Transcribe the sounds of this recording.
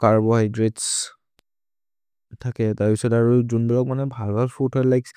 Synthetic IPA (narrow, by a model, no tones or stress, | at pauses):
kaɹbɔhajdɹets | tʰakɛtaɹpisɔtaɹuzunbɔlɔk̚manɛbʱalbʱalpʰutʰɔlajk